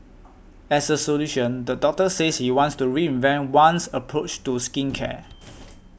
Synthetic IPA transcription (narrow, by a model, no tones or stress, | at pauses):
ɛsəsoluʃə̃ndədɔk̚təseshiwɔ̃ntstuɹiɪ̃nvɛ̃ntwãnsəpʰɹot͡ʃtuskĩnkʰɛ̰